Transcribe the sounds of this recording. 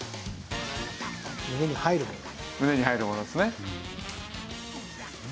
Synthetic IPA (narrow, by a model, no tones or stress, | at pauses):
mɯ̟ne̞ɲ̟ihaiɾɯmon | mɯ̟ne̞ɲ̟ihaiɾɯmonod̪esɨne